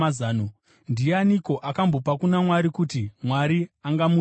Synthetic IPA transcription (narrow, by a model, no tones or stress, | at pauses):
aːno | ndianiko̞ʔakambo̞pakunamwaɾikutimwaɾiaŋɡamu